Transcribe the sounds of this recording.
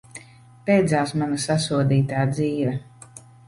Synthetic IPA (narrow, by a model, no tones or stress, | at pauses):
pɛjd̪zaːsmanasasuɔd̪iːt̪aːd̪ziːvɛ